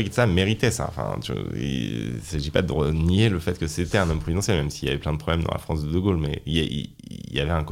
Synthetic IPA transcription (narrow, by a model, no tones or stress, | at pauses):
iksameʁit̪ɛsa̰ɑ̰̃fɛ̰̃t̪y̰ḭsaʒipad̪əʁənieləfɛt̪kəset̪ɛɛ̃nɔmpχezid̪ɑ̃sjɛlmɛmsiːljavɛplɛ̃d̪əpχɔblɛmd̪ɑ̰̃la̰fχɑ̃sd̪əd̪əɡolmɛiɛʔḭ | ljavɛɛ̃ko